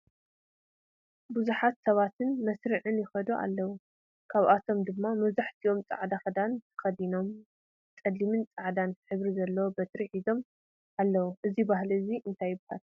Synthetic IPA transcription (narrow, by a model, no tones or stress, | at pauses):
buzuħat̪sɐβat̪ʰɨnmɐsɾiʕɨnjɪxɐd̪oʔa̰lːɐwu | kʰaβʔat̪ʰo̞md̪ɨmːamɐβzaħt̪ʰio̞mt͡sʼa̰ʕd̪axɐd̪ant̪ʰɐ̥xɐd̪ino̞m | t͡sʼɐlːimɨnt͡sʼaʕd̪ant̪ʰħɨβɾizɐlːɐwobɐt̪ʰɾiħizo̞m | ʔalːɐwuʔɨzibaɦliɨziʔɨnt̪ʰajːɪbhal